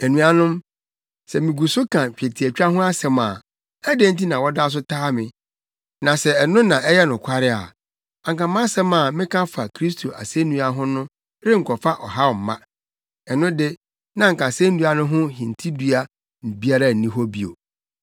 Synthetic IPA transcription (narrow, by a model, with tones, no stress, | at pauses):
e˨nũ˨a˨nʊ̃˦m | sɛ˨mɪ̃˨ɡu˨sʊ˦kʰã˨t͡ɕᶣe˨tʰi˨æ˨t͡ɕᶣa˦ɦʊ̃˦a˦sɛ̃˨ma̰˨ | æ˦de˦n̩˦ti˦nã˨wɔ˦da˦s̬ʊ˦tʰaː˦mɪ̃˨ | nã˨sɛ˨ɛ˨nʊ̃˦nã˨ʔɛ˦jɛ˦nʊ̃˨kʰʷa˦ɾɪ˦a̰˨ | ã˨ŋkã˨mã˦sɛ̃˦mã˨mɪ̃˦kʰã˦fa˨kʰɾi˦s̬tʰo˨ʔa̰˨se˦nũ˦a˦ɦʊ̃˦nʊ̃˦ | ɾɪ˦ŋ̩˨kʰɔ˨fa˦ʔɔ˨ɦa˦˨m̩˨mã˦ | ɛ˨nʊ̃˦dɪ˦ | nã˦ŋ̩˨kã˨sẽ˦n̩˦du˦a˨nʊ̃˦ɦʊ̃˦hĩ˨n̩˨tʰi˦du˦a˦ | n̩˨bi˦a˦ɾa˦˨nĩ˦ɦɔ˦bi˦o̰˨